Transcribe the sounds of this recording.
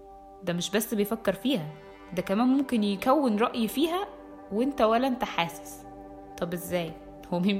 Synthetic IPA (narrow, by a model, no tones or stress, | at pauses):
d̪æmeʃbæsːbejfækːeɾˤfiːhæ | d̪ækæmæːnmomkenjekæwːenɾˤɑʔjfiːɦæ | weent̪æwælːæʔent̪æħaːse̥s | t̪ˤɑbʔezːæːj | howːæmi